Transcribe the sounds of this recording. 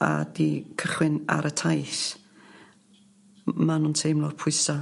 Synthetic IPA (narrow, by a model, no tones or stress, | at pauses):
a̰dikʰəχwɪna̰ɾʔətʰajθ | manuːntʰejmlˠɔrpʰʊɨsa